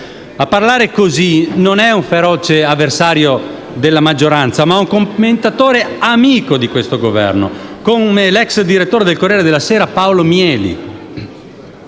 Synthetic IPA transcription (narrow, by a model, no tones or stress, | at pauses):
apːarlaːɾekozinonɛuɱfeɾɔːt͡ʃeavːersaːɾjo | d̪elːamad͡ʒːoɾant̪samaɛuŋkomment̪at̪oːɾeamiːkod̪ikwest̪oɡovɛ̰rno̰komelɛksd̪iɾet̪ːoːɾed̪elkorːɛːɾed̪elːasɛːɾapaolomjɛːlḭ